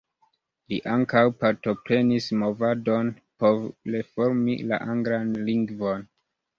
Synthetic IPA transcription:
lḭʔaŋkawpaɾto̞pɾe̞nismo̞vado̞n | polefo̞ɾmḭla̰ʔaŋɡɾanliŋɡvo̞n

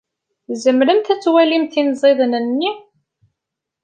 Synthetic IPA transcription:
zəmɾəmt̪æt͡sːwælimθinzˤeðˤnənːi

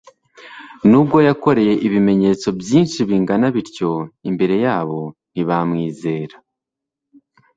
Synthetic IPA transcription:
nuːbɡo̞jako̞ɾejeʔiβime̞ɲe̞ːt͡so̞bjiːnʃiβiŋɡanaβiɾco̞imbe̞ɾe̞jaːβo̞n̥iβamŋiːze̞ːɾa

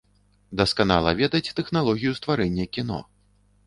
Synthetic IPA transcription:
d̪ɐskana̰lˠɐvʲɛd̪ɐt͡sʲt̪ɛxnalˠɔɣʲijust̪vaɾɛnʲːɐkʲin̪ɔ̰

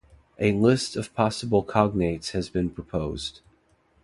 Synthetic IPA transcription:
ʔɨlɪstʌv̥pʰɑsəbl̩ˠkʰɑɡ̚neɪtshɨzbɨ̃npʰɹ̥əpʰoʊz̥d̥

